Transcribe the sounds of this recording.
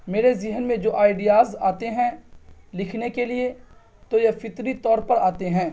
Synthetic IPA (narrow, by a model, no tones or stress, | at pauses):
meːɾezɪɦənmẽd͡ʒoːʔaːɪɖijaːzaːt̪eɦɛ̃lɪkʰnekelie | t̪ojɐfɪt̪ɾit̪ɔːɾpɐɾaːt̪eɦɛ̃ː